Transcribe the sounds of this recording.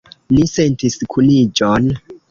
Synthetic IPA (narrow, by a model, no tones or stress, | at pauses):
nisentiskʰunid͡ʒon